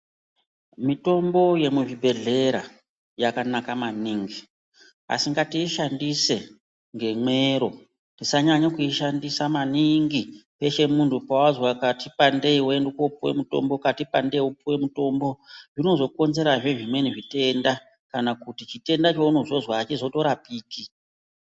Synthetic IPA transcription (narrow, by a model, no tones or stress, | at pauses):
mito̞mbo̞je̞muʐibʱe̞ɮe̞ɾa | jakanakamaniŋɡi | a̰siŋɡatiːʃandise̞ | ŋɡe̞mwe̞ɾo̞ | tisaɲaɲakuiʃandisamaniŋɡipe̞ʃe̞muntʰupawazwakatipande̞iwoendekoupuwe̞̰muto̞̰mbokatipande̞iupuwe̞muto̞mboʐino̞zo̞ko̞nze̞ɾaʐe̞ʐimwe̞niʐite̞nda | kanakutit͡ʃite̞ndat͡ʃouno̞zo̞zwaːt͡ʃizo̞to̞ɾapiːki